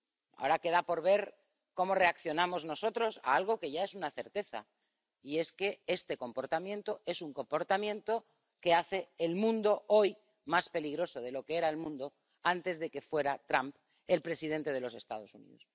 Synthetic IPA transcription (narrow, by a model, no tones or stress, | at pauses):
a̰o̞ɾake̞ðapo̞ɾβ̞e̞ɾ | ko̞more̞akθjonamo̞zno̞so̞t̪ɾo̞sa̰alɣ̞oke̞ʝae̞sunaθe̞ɾt̪e̞θa̰ | ie̞ske̞e̞st̪e̞ko̞mpo̞ɾt̪amjent̪o̞e̞suŋko̞mpo̞ɾt̪amjent̪o̞ | ke̞aθe̞ːlmũnd̪o̞o̞j | maspe̞liɣɾo̞so̞ð̞e̞lo̞keeɾae̞lmũnd̪o̞ | ant̪e̞zðe̞ke̞fwe̞ɾat̪ɾamp | elpɾe̞sið̞e̞nt̪e̞ðe̞lo̞se̞st̪a̰ð̞o̞sunḭðos